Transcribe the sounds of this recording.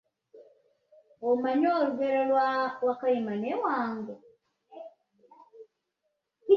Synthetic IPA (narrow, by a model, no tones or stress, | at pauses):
omaɲoːɾuɡeɾolwawakajimanewaːŋɡo